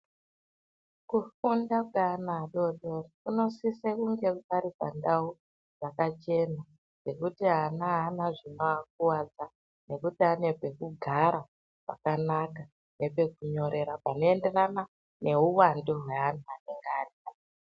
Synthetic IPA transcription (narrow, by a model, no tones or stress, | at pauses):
kufundakanaɗo̞ɗorikuno̞sisekuŋɡe̞paɾipa̰ndau | ʐakat͡ʃe̞na | ne̞kutiɦanaɦanaʐinoak̚uwad͡za | ne̞kutiane̞be̞kuɡʱaɾa | pa̰kanaka | ne̞pe̞kuɲo̞ɾʔe̞ɾapano̞e̞nde̞rana | ne̞uwandoɦwe̞ɦantuaneŋɡaria